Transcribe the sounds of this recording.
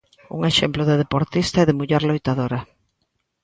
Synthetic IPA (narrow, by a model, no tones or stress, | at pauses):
ṵŋeʃɛmplʊðeðepoɾt̪ist̪aɛðemuʎɛɾlojt̪aðoɾɐ